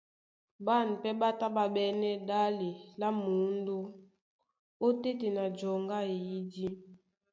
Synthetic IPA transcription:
ba˦˨n˨pɛ˦ɓa˦ta˦ba˨ɓɛ˦nɛ˦da˦le˨la˦mu˨˦n˦do˦ | o˦te˦te˨na˨d͡ʒɔ˨ŋɡa˦e˨ji˦di˦

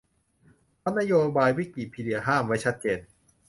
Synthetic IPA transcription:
pʰɔ˦˥na˦˥joː˧baː˧jwi˦˥˩k̚li˨˩pʰiː˧di˧ɐɦaː˥˩mwa˦˥˩jt͡ɕʰa˦˥t̪̚t͡ɕeː˧n

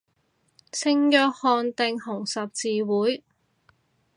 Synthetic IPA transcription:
sɪ˧ŋjœː˧k̚hɔː˨˧nt̪ɪ˨ŋhʊ˨˩ŋsɐ˨p̚t͡siː˨˧wuː˨˥j

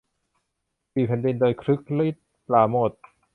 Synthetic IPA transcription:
iː˨˩pʰɛ˨˦ndi˧ndoː˧jkʰɾɯ˦˥k̚li˦˥˩t̪̚ | laː˨˩moː˨˩t̪̚

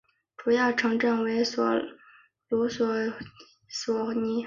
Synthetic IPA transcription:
ʈ͡ʂu˨˩jɑ˥˩ʊʈ͡ʂʰɤ˧˥ŋʈ͡ʂə˥˩nwe˧˥ɪswɔ̰˨˩ | lu˧˥swɔ˨˩ | swɔ˨˩ni˧˥

